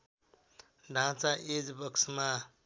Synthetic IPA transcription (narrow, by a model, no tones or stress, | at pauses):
ɖʱãt͡saʔed͡zbʌksma